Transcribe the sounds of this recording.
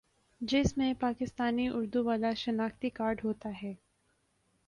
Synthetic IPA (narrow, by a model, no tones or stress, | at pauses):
d͡ʒɪsmẽpaːkɪst̪aːniʊɾd̪uʋaːlaʃɐnaːkt̪ikaːɾɖɦoːt̪aɦɛː